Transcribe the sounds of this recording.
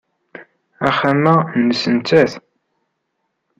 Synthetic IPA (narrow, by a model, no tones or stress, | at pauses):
æχæmːænːəsənt͡sːæθ